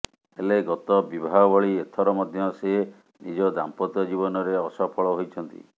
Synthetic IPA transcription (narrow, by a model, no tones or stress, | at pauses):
eleɡɔt̪ɔbibʱaɦɔbɔɭiet̪ʰɔɾɔmɔd̪ʱjɔse | nid͡ʒɔd̪ampɔt̪ɔd͡ʒiβɔnɔɾeɔsɔpʰɔɭɔɦojt͡ʃʰɔnt̪ḭ